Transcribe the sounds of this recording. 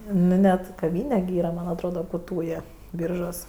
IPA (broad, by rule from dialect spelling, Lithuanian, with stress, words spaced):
ˈnʊ nʲɛt kɐˈʋʲiːnʲɛ ɡʲɪ ˈiːrɐ mɐnʲ ɐtˈroːdɐ kʊ ˈtuːjeː ˈbʲiːrʒuɔs